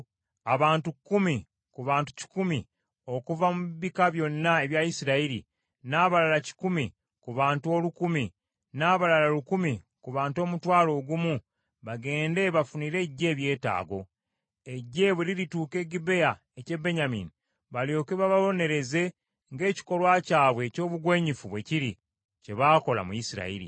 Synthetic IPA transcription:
aβaːntukumi | kuβaːntu̥ci̥kumi | o̞kuvamuiβikaβjo̞nːae̞βjajisiɾaiɾḭ | naːβalalaci̥kumi | kuβaːntuo̞lukumi | naːβalalalukumi | kuβaːnto̞ːmutwaːlo̞ːɡumu | βaɡe̞ːnde̞βafuniːɾe̞ɟːe̞ːβje̞ːta̰ːɡo̞ | e̞ɟːe̞βweliɾituːke̞ːɡibe̞ja | ece̞be̞ɲamḭni | βaljo̞keβaβaβo̞ne̞ɾe̞ze̞ | ŋɡe̞ːci̥ko̞lwaːcaːβwe̞co̞ːβuɡwe̞ːɲifuβwe̞ciɾi | ce̞βaːko̞la̰mujisiɾa̰ḭɾḭ

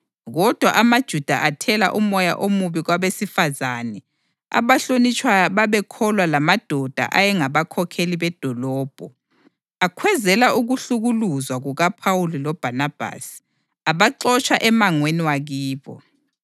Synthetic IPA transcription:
ɣɔd̥ʱwaʔamad̥ʒ̥ʱud̥ʱa̰ʔatʰɛla̰ʔumɔja̰ʔomuβiɣwaβesifazanɛ | a̰βaɬonit͡ʃʼʰwajaβaβɛkʰɔlwalamad̥ʱɔd̥ʱa̰ʔajɛŋaβakʰɔkʰeliβɛd̥ʱɔlɔːb̥ʱɔ | akʰwɛzɛlaʔuɣuɬuɣuluzwaɣuɣapʰawulilɔb̥ʱanab̥ʱa̰si̥ | aβaǃɔt͡ʃʰʼaʔɛmaŋweniwaɣiːβɔ̰

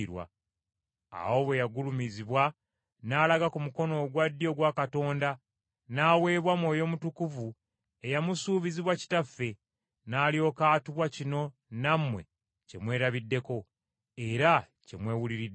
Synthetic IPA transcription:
ɾwa̰ | a̰wo̞βwe̞jaɡulumiziβwa | naːlaɡakumuko̞no̞ɡwadːjo̞ɡwakato̞ːnda | naːwe̞ːβwamwo̞ːjo̞mutukuvu | e̞jamusuːβiziβwaci̥tafːe̞ | naːljo̞ːkaːtuβwacino̞ | namːwe̞̰ | ce̞mwe̞ːɾaβidːe̞ko̞ | e̞ɾa | ce̞̰mwe̞ːwuliɾidː

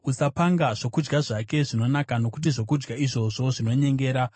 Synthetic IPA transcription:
usapaŋɡaʐ̥o̞kud͡ʒɡaʐake̞ʐino̞nakano̞kut̬iʐo̞kud͡ʒɡaiʐo̞ʐo̞ʐino̞ɲe̞ŋɡe̞ːɾa

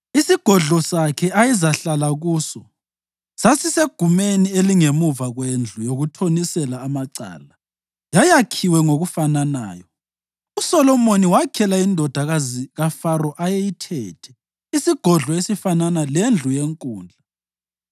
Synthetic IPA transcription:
isiɡ̥ʱɔɮɔsakʰɛʔaizaɬalaɣuːsɔ | sasiseɡ̥ʱumenieliŋemuvaɣwend͡ɮʱujoɣutʰonisɛlaːmaǀa̰ːla | jajakʰiwɛŋoɣufanana̰ːjɔ | usɔlɔmoniwakʰɛlaindʱɔd̥ʱaɣaziɣafaɾɔʔajejitʰɛ̰ːtʰɛ̥ | isiɡ̥ʱɔɮɔesifananalend͡ɮʱujeŋkʼṵːnd͡ɮʱa

